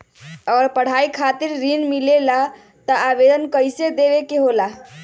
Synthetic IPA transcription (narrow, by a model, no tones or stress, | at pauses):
əɡəɾpəɽ̤aikʰat̪iɾːinmilela | t̪əabed̪ənkəjsed̪eβekeɦola